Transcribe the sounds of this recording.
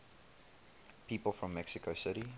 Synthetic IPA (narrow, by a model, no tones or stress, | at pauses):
pʰiːpəl̩ˠfɹə̃mːɛksɪkoʊsɪɾi